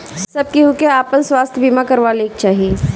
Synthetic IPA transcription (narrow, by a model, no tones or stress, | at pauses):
sɐb̚kiɦukeaːpənswaːst̪ʰjbimakɐɾʋaːleːk̚t͡ʃaːɦieː